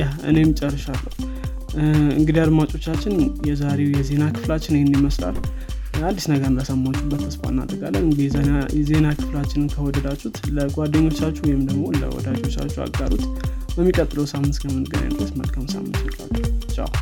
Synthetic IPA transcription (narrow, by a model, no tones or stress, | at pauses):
jahɨ̰ne̞jmɨt͡ʃʼərːəʃalːəwu | ɨŋɡɨd̪iad̪mat͡ʃʼo̞t͡ʃːat͡ʃːɪnjɛzaɾe̞wjɛze̞nakʰɨ̥flat͡ʃːɪnhnːiməsla̰l | ad̪ːisnəɡəɾləsəmːat͡ʃʼːubət̪ʰːəsfa̰nːa̰d̪ɾəɡalːənɨɡijɛze̞nakʰɨ̥flat͡ʃːɪnɨnkʰəwɔd̪əd̪at͡ʃʼːut̪ləɡʷad̪əɲːo̞t͡ʃːat͡ʃːuwɔjhɪmd̪əɡmo̞lə̰wɔ̰d̪ad͡ʒo̞t͡ʃːa̰t͡ʃːua̰ɡaɾṵt̪bəmːikʼət̪ʼːɨləwsamːɨnt̪kʰəmɨnɡɨna̰d̪ɨɾəsmə̰lkʰəmsa̰mːɨnt̪elːa̰t͡ʃːut͡ʃʼa̰